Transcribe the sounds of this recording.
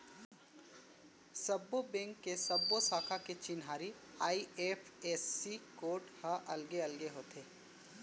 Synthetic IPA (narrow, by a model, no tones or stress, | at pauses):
sɐbːobɛ̃ŋkːesɐbːosaːkʰaket͡ʃɪnɦaːɾi | aːieːpʰeːsːikoːʈhɐʔɐlɡeɐlɡeɦoːt̪ʰeː